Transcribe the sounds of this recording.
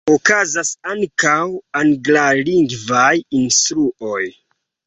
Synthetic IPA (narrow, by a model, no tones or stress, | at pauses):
okazasaŋkawanɡlaliŋɡvajinstɾuʔo̞j